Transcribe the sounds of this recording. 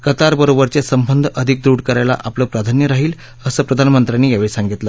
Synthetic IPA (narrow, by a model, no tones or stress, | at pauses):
kət̪aɾbəɾobəɾt͡ɕasəmbənd̪ʱəd̪ʱik̚d̪uːɽkəɾajla̰ʔapləːpɾad̪ʱanjəɾaɦiːl | əsəːpɾəd̪ʱanmənt̪ɾanːiːjaʋeɭisaŋɡit̪lə